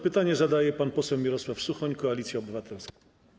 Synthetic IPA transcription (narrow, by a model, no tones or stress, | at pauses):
pɘt̪aɲɛzad̪ajɛpanpɔsɛwmʲiɾɔswafsuxɔɲkɔalʲit̪sʲjɛɔbɘvat̪ʰɛlsk